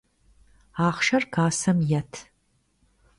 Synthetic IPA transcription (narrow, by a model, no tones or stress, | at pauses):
aːχʃɐrkʰaːsɐmjɐtʰ